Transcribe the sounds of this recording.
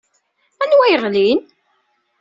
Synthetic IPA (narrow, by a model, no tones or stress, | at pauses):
ænwæjəʁlin